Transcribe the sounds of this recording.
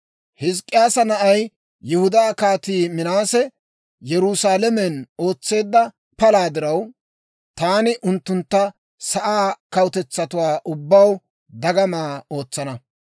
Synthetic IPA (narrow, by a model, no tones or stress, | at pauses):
hɪs̬kʼːɪjaːsɐnɐʔɐj | jʊhʊd̪aːkaːt̪iːmɪnaːsɛ | jɛɾusaːlɛmɛno̞ːt͡sːe̞ːd̪ːɐ | pɐlaːd̪ɪɾɐw | t̪aːnɪʔʊnt̪ːʊnt̪ːɐ | sɐʔaːkɐwʊt̪ɛt͡sːɐt̪ʊwaːʔʊbːɐw | d̪ɐɡɐmaːo̞ːt͡sːɐnɐ